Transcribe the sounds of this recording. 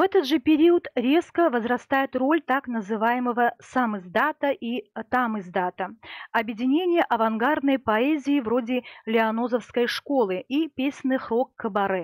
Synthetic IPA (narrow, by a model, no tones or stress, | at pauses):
vɛt̪əd̪ʐɨpʲɪɾʲiʊt̪ɾʲe̞skəvəzɾɐst̪ajɪt̪ro̞lʲt̪aknəzɨvajɪməvəsamɨzd̪at̪əʔit̪amɨzd̪at̪əɐbjɪdʲɪnʲenʲɪjəʔɐvɐnɡard̪nəjpɐɛzʲɪːvro̞dʲɪlʲɪɐno̞zəfskəjʂko̞lˠɨipʲesʲnɨxɾokːəbɐɾɛ